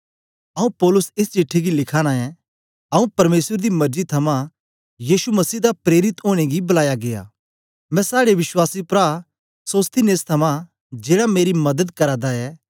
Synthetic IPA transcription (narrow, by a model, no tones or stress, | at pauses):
ɐũpɔːlʊsɪst͡ʃɪʈʰːeɡilɪkʰaːɽ̃aɛ | ɐũpɐɾmeːswəɾd̪imɐɾd͡ʒit̪ʰɐmã | jiːsumɐsiːd̪apɾeːɾɪt̪oːɽ̃eɡibɐlaːjaɡeja̰ː | mɛ̃saːɽeʋɪswaːsipɾa | soːst̪ʰineːst̪ʰɐmã | d͡ʒeːɽameːɾimɐd̪əd̪kɐɾaːd̪aɛ